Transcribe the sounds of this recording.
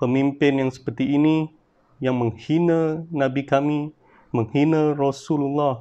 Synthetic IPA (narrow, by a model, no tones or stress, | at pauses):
pəmimpɪnjaŋsə̥pərt̪iːni | jaŋməŋhinənãbikami | məŋhinərɔsululːah